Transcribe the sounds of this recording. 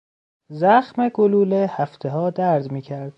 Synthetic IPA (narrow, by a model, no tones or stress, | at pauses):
zæxmeɡoluːlehæft̪ʰeɦɒːd̪æɾd̪miːcʰæɾd̪̥